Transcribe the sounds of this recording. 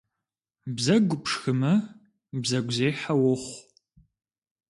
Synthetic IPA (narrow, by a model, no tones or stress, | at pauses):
bzɐɡʷʊpʂxɨmɐ | bzɐɡʷzeːħawʊχʷ